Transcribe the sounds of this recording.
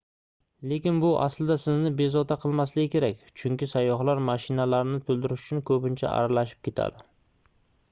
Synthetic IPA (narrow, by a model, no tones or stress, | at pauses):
le̞kʲɪnbʊʔa̰slɪd̪asɪznɪbe̞zɒt̪ʰaqʰɨlˠmaslɪɡʲɪkʲʰe̞ɾak̚ʲt͡ʃʰʊŋkʲɪsajːɒχlaɾmaʃɪnalaɾɪnɪt̪ʰɵlˠd̪ɪɾɪʃʊ̥t͡ʃʰʊnkʰɵpɪnt͡ʃʰa̰ʔa̰ɾalaʃɪ̥p̚kʲe̞t̪ʰa̰d̪ɪ